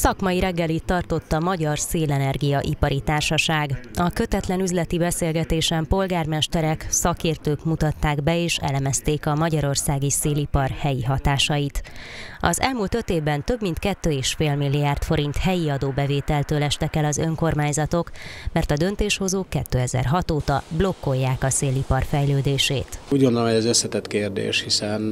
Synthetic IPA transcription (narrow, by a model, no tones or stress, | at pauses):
sɒkmɒjiɾɛɡːɛlit̪ːɒrt̪o̞t̪ːɒmɒɟɒrseːlɛnɛrɡijɒʔipɒɾit̪aːrʃɒʃaːɡɒkø̞t̪ɛt̪lɛnyzlɛt̪ibɛseːlɡɛt̪eːʃɛmpo̞lɡaːrmɛʃt̪ɛɾɛksɒkeːrt̪øːkmut̪ɒt̪ːaːɡbɛeːʃɛ̰lɛmɛst̪eːkɒmɒɟɒɾo̞rsaːɡiseːlipɒrhɛjiɦɒt̪aːʃɒjit̪ɒ̰zɛlmuːlt̪ø̞t̪eːvbɛnt̪ø̞bmint̪kɛt̪ːøːeːʃfeːlmilːiaːrt̪fo̞ɾint̪hɛjiɒd̪oːbɛveːt̪ɛlt̪øːlɛʃt̪ɛkɛlɒzø̞̰ŋko̞rmaːɲzɒt̪o̞kmɛrt̪ɒd̪ønt̪eːʃho̞zoːkːɛt̪ːøːɛzɛ̰rɦɒt̪oːt̪ɒblo̞kːo̞jːaːkɒseːlipɒrfɛjløːd̪eːʃḛːt̪uːɟɡond̪olomhojɛzøsːɛt̪ɛt̪keːrd̪ḛːʃhisɛn